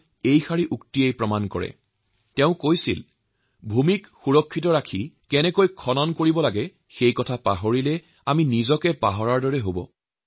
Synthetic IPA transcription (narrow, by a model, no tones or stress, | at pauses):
ejxaɹiʔuktiejpɹɔmankɔ̰ɹɛ̰ | tɛʊ̃kojsḭl | bʱumikxuɹɔkʰːitɔɹakʰikɛnɛkojkʰɔnɔnkoɹibɔlaɡɛ | xejkɔtʰapaɦoɹilɛ | aminizɔkɛpaɦɔɹaɹdɔɹɛɦobɔ̰